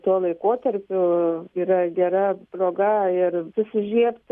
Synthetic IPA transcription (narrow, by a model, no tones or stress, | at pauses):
t̪uɔlˠɐɪkoːt̪ɐɾʲpʲʊiːɾɐɡʲɛɾɐpɾoːɡɐɪrsʊsʲɪʒʲiɛpt̪